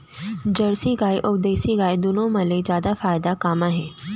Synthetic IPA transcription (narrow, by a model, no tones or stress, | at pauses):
d͡ʑɐɽsiɡaːjʔʊkd̪eːsiɡaːjd̪ʊnõmɐlezjaːd̪afaːɪd̪akaːmaːɦẽː